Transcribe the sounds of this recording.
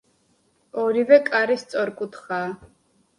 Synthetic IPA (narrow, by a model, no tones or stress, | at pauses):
ɔɾivɛkʼaɾist̪sʼɔɾkʼut̪ʰχaː